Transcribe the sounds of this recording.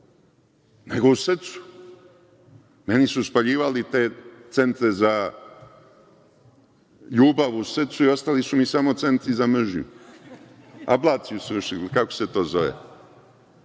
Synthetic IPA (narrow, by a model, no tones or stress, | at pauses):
neɡousr̩t̪su̥ | me̞nisuspaʎiːʋalit̪e̞ːt̪se̞nt̪ɾe̞za | ʎuːbaʋusr̩t̪suio̞st̪alisumisamo̞t̪se̞nt̪ɾizamr̩ʒɲṵ | a̰blˠaːt̪siusoʃikakose̞t̪o̞ːzo̞ʋḛ